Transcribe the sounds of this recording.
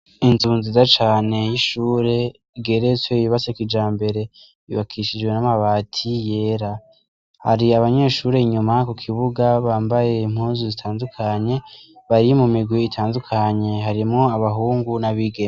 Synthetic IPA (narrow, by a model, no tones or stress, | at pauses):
inzuːnzizat͡ʃaːne̞jiʃuːɾe̞ | iɡe̞ɾe̞t͡swe̞ijuβasekid͡ʒaːmbe̞ɾe̞ | ḭβakʰiʃid͡ʒwe̞namaβaːtʰije̞ːɾa | ha̰ɾiaβaɲe̞ːʃuːɾe̞iɲumakukʰiβuɡaβaːmbaje̞im̥huːnzuzitʰaːndukʰaɲe̞βaɾimumiɡwiːtʰaːndukʰaɲe̞ɦaɾimŋo̞aβaɦuːŋɡunaβiɡe